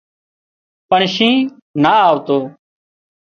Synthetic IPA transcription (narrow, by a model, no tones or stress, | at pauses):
pəɳʃĩː | naːaːʋt̪oː